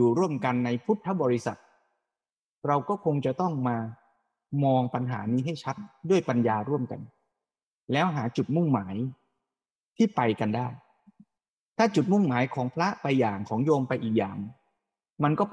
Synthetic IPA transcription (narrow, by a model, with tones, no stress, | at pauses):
uː˨˩ɾu˥˩əmka˧nːa˧jpʰu˦˥p̚t̪ʰːa˦˥bɔː˧ɾi˦˥sa̰˨˩t̪̚ | ɾa˧wkɔː˥˩kʰo˧ŋt͡ɕa˨˩t̪ɔ˥˩ŋmaː˧ | mɔː˧ŋpa˧nɦaː˩˦niː˦˥ɦa˥˩jt͡ɕʰa˦˥t̪̚du˥˩əjpa˧njaː˧ɾu˥˩əmka̰˧n | lɛː˦˥wɦaː˩˦t͡ɕu˨˩t̪̚mu˥˩ŋmaː˩˦j | t̪ʰiː˥˩pa˧jka˧ndaː˥˩j | t̪ʰaː˥˩t͡ɕu˨˩t̪̚mu˥˩ŋmaː˩˦jkʰɔː˩˦ŋpʰɾa˦˥pa˧jːaː˨˩ŋkʰɔː˩˦ŋjoː˧mpa˧jʔiː˨˩k̚ja̰ː˨˩ŋ | ma˧nkɔː˥˩